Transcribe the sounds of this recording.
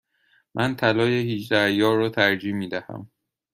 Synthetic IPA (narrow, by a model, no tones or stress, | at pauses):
mʔænt̪ʰælɒːjehiːt͡ʃd̪æɾjɒːrɒːt̪ʰæɾd͡ʒiːmiːd̪æhæ̰m